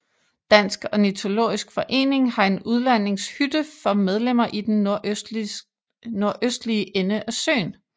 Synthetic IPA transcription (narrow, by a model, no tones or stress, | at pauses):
d̥æn̰sɡ̥ɒ̽nit͡sʰo̝lo̝̰ːisɡ̥fɒ̽ʔe̝̰ːne̝ŋhɑ̈e̝nuð̞ˠlæn̰e̝ŋshyd̥əfɒ̽með̞ˠlem̰ɐʔid̥enoɐ | no̝ɐʔøsd̥liəʔenəʔæsø̰ːn